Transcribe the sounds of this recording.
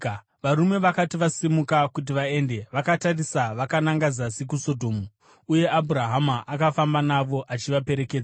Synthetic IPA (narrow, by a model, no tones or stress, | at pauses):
ʋaɾume̞ʋakatiʋasimukakut̬iʋae̞nde̞ʋakatarisaʋakanaŋɡad͡zasikuso̞dʱo̞ːmu | uje̞ʔabʱuɾaɦamaʔakafambanaʋo̞ʔat͡ʃiʋape̞ɾe̞keːd͡zaa